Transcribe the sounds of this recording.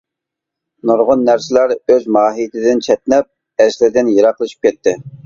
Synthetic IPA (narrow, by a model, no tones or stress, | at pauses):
noɾʁʊnːæɾsɪlæɾøzmɑːɦijt̪ʰɪd̪ɪnt͡ʃʰɛt̪̚nɛp̚ | ɛʃlɪɾd̪ɪnjɑɾɑqlˠɨʃi̥p̚kʲɛt̪ʰːɪ